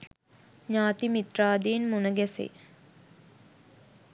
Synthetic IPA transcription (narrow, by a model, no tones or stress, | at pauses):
ɲaːt̪imit̪raːd̪iːnmunəɡɛsḛ